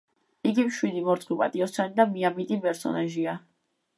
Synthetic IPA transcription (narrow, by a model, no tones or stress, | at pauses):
iɡimʃwid̪imɔɾt̪sʼχwipʼa̰t̪ʼiɔst̪sʰanid̪amiamit̪ʼipʼɛɾsɔ̰naʒia